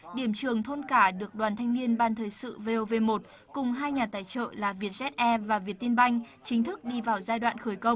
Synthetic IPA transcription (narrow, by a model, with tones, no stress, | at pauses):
ɗi˧˩əmt͡ɕɨ˨˩əŋt̪ʰo˧nkaː˧˩ɗɨ˨˩ək̚ɗwaː˨˩nt̪ʰa˧jŋni˧ənɓaː˧˩nt̪ʰəː˨˩jsɨ̰˧˨ve˧ʔo˧ve˧mo˨˩t̚ | kʊ˨˩ŋ͡mɦaː˧jɲaː˨˩t̪aː˧˩jt͡ɕə̰ː˧˨laː˨˩vi˨˩ət̚zɛ˦˥t̚ʔɛ˧vaː˨˩vi˨˩ət̚t̪i˧ənɓa˧jŋ̟ | t͡ɕï˨˦ŋ̟t̪ʰɨ˦˥k̚ɗi˧vaː˨˩wzaː˧jɗwa̰ː˧˨nxəː˧˩jkə˧wŋ͡m